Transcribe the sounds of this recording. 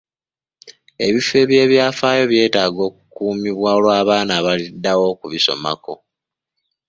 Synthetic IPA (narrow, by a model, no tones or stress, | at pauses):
e̞βife̞βje̞ːβjaːfaːjo̞βje̞ːtaːɡo̞ːkukuːmiβwaolwaːβaːnaːβalidːawo̞kuβiso̞̰ma̰ko̞